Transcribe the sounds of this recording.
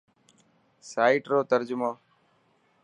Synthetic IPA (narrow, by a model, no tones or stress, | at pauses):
saːiːʈɾoːt̪əɾd͡ʒʊmãː